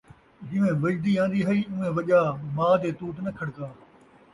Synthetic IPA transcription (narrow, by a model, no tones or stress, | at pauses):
d͡ʒɪ̃ʋẽːʋɐd͡ʒd̪iːãːn̆d̪iːɦəiːʊ̃ːẽːʋɐʄaːmaːd̪eːt̪uːt̪nəkʰəɽkaː